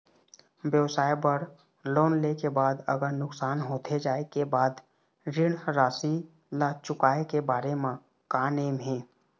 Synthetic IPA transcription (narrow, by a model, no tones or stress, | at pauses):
bjəwsaːebəɾ | loːnleːkebaːd̪ə̰ɡəɾnʊksaːnɦoːt̪ʰed͡ʒaːekebaːd̪ | ɾɪɽɾaːsi | lat͡ʃʊkaːekebaːɾemã | kaːneːmɦɛ̃ː